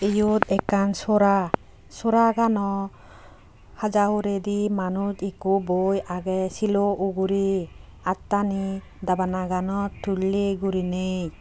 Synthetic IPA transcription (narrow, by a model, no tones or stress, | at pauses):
ejut̪ɛkːansɔɾa | sɔɾaɡanɔ | had͡ʒauɾedimanutikubojaɡɛsiloʔuɡuɾi | at̪ːani | d̪abanaɡanɔtulːeɡuɾinej